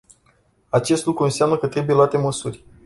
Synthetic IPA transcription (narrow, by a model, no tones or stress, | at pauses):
at͡ʃe̞st̪lukɾuɨnsamnəkət̪ɾe̞buje̞luat̪e̞məsurʲ